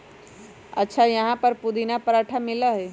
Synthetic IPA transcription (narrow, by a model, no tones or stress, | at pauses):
ɐtːʃʰajɐɦãpəɾpud̪inapəɾaʈʰamɪləɦe